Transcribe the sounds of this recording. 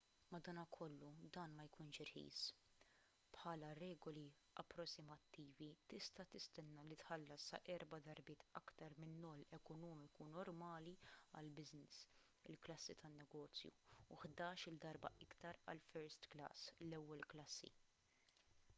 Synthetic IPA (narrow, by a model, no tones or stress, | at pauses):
mɐd̪ɐːnɐkʰɔlːud̪ɐːnmɐjkuːnʃɪɾħḭːs | pħɐːlɐrɛːɡɔli | ʔɐ̰pːɾɔsːɪmɐt̪ːiːvit̪ɪst̪ɐt̪ɪst̪ɛnːɐlit̪ħɐlːɐsɐ̰ʔɛɾbɐd̪ɐɾbɪːt̪ɐkt̪ɐɾmɪnːɔːlɛkɔnɔːmɪkunɔɾmɐːliɐ̰lbɪznɪs | ɪlklɐsːit̪ʰɐnːɛɡɔːt͡sjṵːħd̪ɐːʃɪld̪ɐɾbɐ̰ʔɪkt̪ɐɾɐ̰lfɛɾst̪klɐ̰ːslɛwːɛlklɐsːḭ